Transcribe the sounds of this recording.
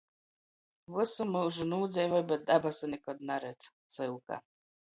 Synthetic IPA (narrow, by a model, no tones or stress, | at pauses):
vɨsumɨwʒunuːd̪zʲɛjvɔjbɛt̪̚d̪abasunʲɛkɔd̪naɾɛt̪st̪sɨwka̰